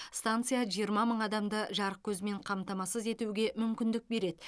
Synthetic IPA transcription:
st̪ant̪sɨjaʒijəɾmɑməɴɑd̪ɑmd̪əʒɑɾəq̚kʲʰɵzɪme̞ɴqʰɑmt̪ɑmɑsəze̞t̪uwɡʲe̞mʏmkʲɪnd̪ɪk̚be̞ɾe̞d̪ɪ

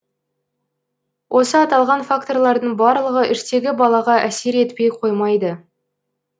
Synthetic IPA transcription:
wʔo̞səɑt̪ɑlˠʁɑnfakt̪o̞rlˠɑɾd̪əɴbɑɾlˠəʁəʔɪʃt̪e̞ɡʲɪbɑlˠɑʁɑʔæse̞ɾe̞t̪pe̞jqʰo̞jmɑjd̪ə

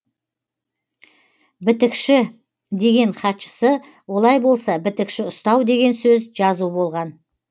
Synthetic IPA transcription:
bɪt̪ɪkʃɪ | d̪e̞ɡʲe̞ɴχʰɑt̪ʃə̥sə | wo̞lˠɑjbo̞lˠsɑbɪt̪ɪkʃɪʊst̪ɑwd̪e̞ɡʲe̞nsɵzʒɑzubo̞lˠʁɑn

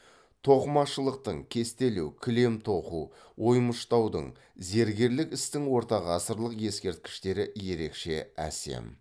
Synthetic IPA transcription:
t̪ʰo̞qəmɑʃəlˠəq̚t̪əɴkʲʰe̞st̪e̞lewkʲʰɪle̞mt̪ʰo̞qu | wo̞jməʃt̪ɑwd̪ə̰ɴ | ze̞ɾɡʲe̞ɾlɪkɪst̪ɪŋwo̞ɾt̪ɑʁɑsəɾlˠəqje̞skʲe̞ɾt̪̚kʲɪ̥ʃt̪e̞ɾɪje̞ɾe̞kʃe̞æ̰se̞̰m

